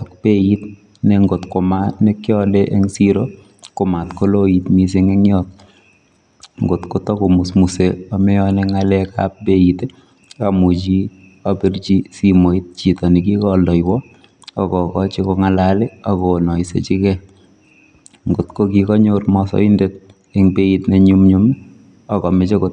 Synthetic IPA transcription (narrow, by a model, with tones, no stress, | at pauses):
ɔ˨k̚pe˦jit | nɛ˨ŋɡo˨tko˨ma˦ne˦kjɔ˦leʔe˦ŋsiɾo | ko˨ma˨tko˦lo˦i˨tmi˦s̬e˦ŋɛ˦ŋjɔt̚ | ŋɡo˨tko˦to˦ko˨mu˨smu˨seɔ˨mɛ˦ɔnɛ˨ŋalɛka̰p̚be˦ite˦ | ka˨mu˨t͡ʃi˦ | ɔ˦pi˦rt͡ʃi˦simo˨i˦t̚t͡ʃi˨tɔ˨ni˨ki˦kɔlɔ˨jwɔ | ɔ˨kɔ˨kɔt͡ʃi˦kɔ˦ŋa˦lale˦ɔ˦konɔ˨isḛ˨t͡ʃi˦kɛ | ŋɡo˨tko˦kikɔ˦ɲo˦rmɔsɔ̰˦i˦ndet | e˦ŋbe˦itne˦ɲu˦mɲu˦m | ɔ˨kɔ˨mɪ˦t͡ʃe˦ko˨t